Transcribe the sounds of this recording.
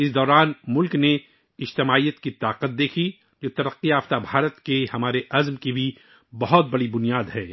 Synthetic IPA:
ɪsd̪ɔːɾaːnmʊlkne | ɪd͡ʒt̪ɪmaːijət̪kit̪aːqət̪̚d̪eːkʰi | d͡ʒoːt̪ɐɾəqːiaːft̪abʱaːɾət̪kehɐmaːɾeʔɐzmkibʱi | bɐɦɔt̪̚bɐɽibʊnijaːd̪ɦɛ̃ː

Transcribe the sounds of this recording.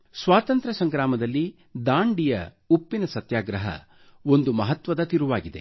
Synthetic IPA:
sʋaːt̪ɐnt̪ɾɐsɐŋɡɾaːmɐd̪ɐlːi | d̪aːɳɖijɐ̰ | upːinɐsɐt̪jaːɡɾɐɦɐ̰ | o̞nd̪umɐɦɐt̪ʋɐd̪ɐt̪iɾuʋaːɡid̪e̞̰

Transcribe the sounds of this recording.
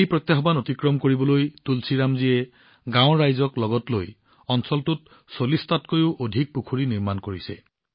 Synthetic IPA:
ejpɹɔt̪jaɦɔbanotikɹɔmkoɹibɔlojtulsiɹamziɛ | ɡãw̃ɹajzɔklɔɡɔtloj | ɔnsɔltut̚ | solistatkojʊʔodʱik̚pukʰuɹiniɹmankoɹisɛ̰

